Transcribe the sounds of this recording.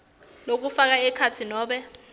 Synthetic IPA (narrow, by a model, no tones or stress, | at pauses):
nok̬ufak̬aɛkʰatʰinɔːɓɛ